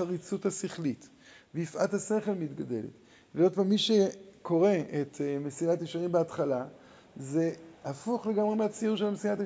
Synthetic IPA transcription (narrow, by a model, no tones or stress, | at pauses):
aʁit͡suthasiχlit | veifʔathase̞χe̞lmit̪ɡade̞̰lḛt̪ | veod̪pamiʃekʰo̞ʁe̞ʔetmesinatjiʃaʁimbeatχala | ze̞hafuχle̞ɡamʁemeat͡sijuʃelamesinat